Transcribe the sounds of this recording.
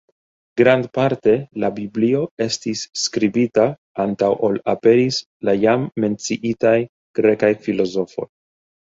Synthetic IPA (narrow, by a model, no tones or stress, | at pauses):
ɡɾandpaɾte̞labiblio̞e̞stisːkɾibita | antawʔolape̞ɾis | lajamːe̞nt͡siʔitaj | ɡ̥ɾe̞kajfilo̞zo̞fo̞̰j